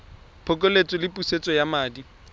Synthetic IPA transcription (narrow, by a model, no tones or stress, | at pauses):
pʰɔkʼolet͡sʼɔlɪpʼuset͡sʼɔjamaːdi